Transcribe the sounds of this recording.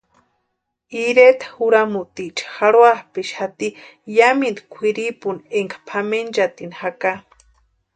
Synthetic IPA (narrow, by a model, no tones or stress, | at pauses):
iɾet̪ḁhuɾamuʔt̪iʔt͡ʃʰḁxaɽwahpiʃhat̪ijamind̪kʷʰiɾipuneŋkʰḁpʰament͡ʃat̪inhaka